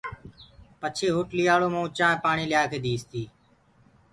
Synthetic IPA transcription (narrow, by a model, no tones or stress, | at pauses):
pət͡ʃʰeːɦʊʈliːaːɭoːmãːʊt͡ʃãːpaːɳiːljaːkeːd̪iːst̪iː